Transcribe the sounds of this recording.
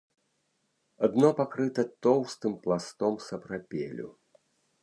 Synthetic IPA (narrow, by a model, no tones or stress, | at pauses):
ad̪nɔpakɾɨt̪ɐt̪ɔwst̪ɨmplˠast̪ɔmsɐpɾapʲelʲṵ